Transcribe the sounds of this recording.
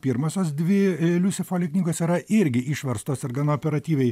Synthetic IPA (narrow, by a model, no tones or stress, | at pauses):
pʲiːɾmɐsʲoːsd̪ʲʋʲɪlʲusʲɪfoːlʲɪknʲiːɡoːsiːɾɐʔɪɾʲɡʲɪʔiːʃʋɐɾst̪oːsɪɾɡɐnoːpʲɛɾɐt̪ʲiːʋʲɛɪ